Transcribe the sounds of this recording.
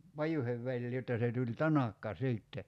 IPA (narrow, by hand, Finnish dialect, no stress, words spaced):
pɑjuheʋ ʋælʲliː jotːɑ se tulʲ tɑnɑkːɑ siˑtːe